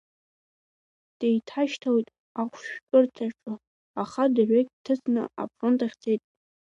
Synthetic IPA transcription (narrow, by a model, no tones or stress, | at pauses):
d̥ejtʰaʃtʰawijtʼ | aχʷʰʃᶣkʲʼʊrtʰaʈ͡ʂʼɨ | aχadaʕʷᶣekʲʼtʰɨt͡sʰʼnɨ̰a̰pʰrontʰʼaχʲt͡sʼejtʼ